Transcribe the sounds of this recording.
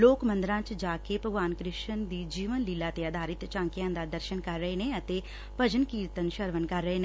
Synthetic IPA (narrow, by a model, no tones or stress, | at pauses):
loːkmə̃nd̪ɾãːt͡ʃd͡ʒaːkepəɡʋaːnkɾɪʃənd̪iːd͡ʒiːʋənliːlat̪eaːd̪ʱaːɾɪt̪t͡ʃãːŋkijãːnd̪ad̪əɾʃənkɐɾːəɦenẽət̪e | pəd͡ʒənkiːɾt̪ənʃəɾʋənkɐɾːəɦene